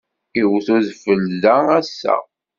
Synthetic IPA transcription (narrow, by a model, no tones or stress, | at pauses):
iwθuðfəlːææsːæ̰